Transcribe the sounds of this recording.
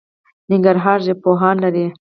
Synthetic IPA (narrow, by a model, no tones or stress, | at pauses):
nɪŋɡaɾɦɑːɾʒepoɦɑːnlaɾi